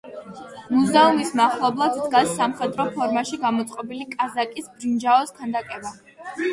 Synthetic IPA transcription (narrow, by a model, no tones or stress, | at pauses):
muzaumismaχlˠɔblˠad̪d̪ɡasːamχɛd̪ɾɔpʰɔɾmaʃiɡamɔt̪sʼqʼɔbilikʼazakʼisbɾind͡ʒaɔskʰand̪akʼɛba